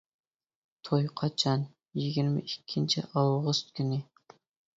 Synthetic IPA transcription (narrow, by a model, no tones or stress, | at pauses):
t̪ʰojqʰɑt͡ʃʰɑn | jɪɡʲiɾmɪ̰ʔikʲʰːint͡ʃʰḭʔɑlˠʁʊst̪kʲʰynɪ